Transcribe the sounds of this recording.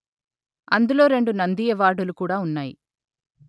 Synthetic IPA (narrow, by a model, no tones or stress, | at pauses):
ɐnd̪ulo̞ːɾe̞ɳɖunɐnd̪ijɐʋaːɖulukuːɽaːunːaːjḭ